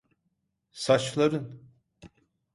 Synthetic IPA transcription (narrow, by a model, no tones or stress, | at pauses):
sat͡ʃlˠaɾɯn